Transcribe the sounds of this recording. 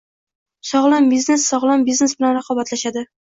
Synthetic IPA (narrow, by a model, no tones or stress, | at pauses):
sɒʁlˠambiznesːɒʁlˠambizne̞sbɪlanɾaqʰɒbat̪laʃad̪ɪ